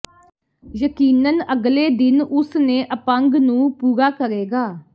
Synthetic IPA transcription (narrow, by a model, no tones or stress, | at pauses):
jəkiːnənəɡleːd̪ɪnʊsneːʔəpəŋɡnũːpuːɡaːkəɾeːɡaː